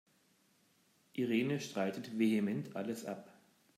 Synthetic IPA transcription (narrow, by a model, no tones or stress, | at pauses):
ʔiʁeːnəʃtʁ̥aɪtətvehemɛntʰʔaləsʔa̰p